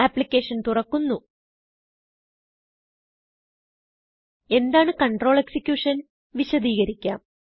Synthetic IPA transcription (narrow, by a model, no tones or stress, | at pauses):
aːpːlikʲːe̞ːʂɐnt̪urɐkːunːu | e̞nd̪aːɳɨkɐɳʈro̞ːɭe̞ksikʲjuːʂɐn | ʋiɕɐd̪iːɣɐɾikʲːa̰ːm